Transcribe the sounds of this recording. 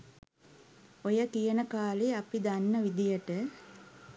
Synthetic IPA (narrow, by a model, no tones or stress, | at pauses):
ojəkijənəkaːliapid̪anːəʋid̪ijəʈə